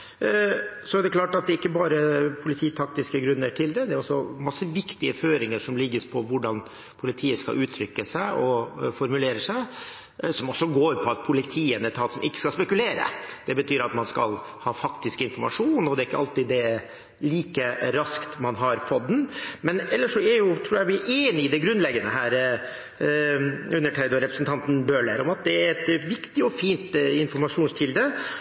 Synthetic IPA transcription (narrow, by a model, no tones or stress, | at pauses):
sɔɛd̪ɛkʰlɑːʈɑt̪̚d̪ɛɪkːəbɑːɾəpʰʊlɪt̪ʰiːt̪ʰɑk̚t̪ɪskəɡɾʉnːəʈʰɪld̪ɛd̪ɛæɾɔsːɔmɑsːəʋɪkt̪ɪəføːɾɪŋəʂɔmlɪɡːəɾpʰɔʋʊɖɑn | pʰʊlɪt̪ʰiːəskɑ̰lʔʉːt̪ʰɾʏkːəsæɪɔfɔɾmʉleːɾəsæɪ | sɔmɔsːɔɡoːɾpʰɔɑt̪̚pʰʊlɪt̪ʰiːənət̪ʰɑːt̪sɔmʔɪkːə̥skɑlspɛkʉleːɾə̰d̪̥ɛbət̪ʰyːɾɑt̪mɑnskɑ̰l | hɑːfɑkt̪ɪskɪnfɔɾmɑʂuːnɔd̪ɛɾɪkːəɑlt̪ɪd̪ɛɾ | liːkəɾɑskt̪mɑnɦɑɾfɔt̪ːnmɛnɛlːəʂɔɛɾjʊt̪ʰɾuːjæʋɪæɾʔeːnɪɪd̪ɛɡɾʉnːlɛɡːənəɦæːɾ | ʉnːəʈʰæɪd̪ɔɾɛpɾəsn̩t̪ʰɑnt̪n̩bøːɭəɾɔmɑt̪̚d̪ɛæɾɛt̪ʋɪkt̪ɪɔfiːnt̪ɪnfɔɾmɑʂuːnst̪ʰɪld̪ə